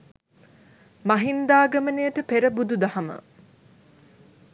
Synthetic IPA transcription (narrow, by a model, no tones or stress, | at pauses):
maɦind̪aːɡɐmənejəʈəpeɾəbud̪ud̪ahamə̰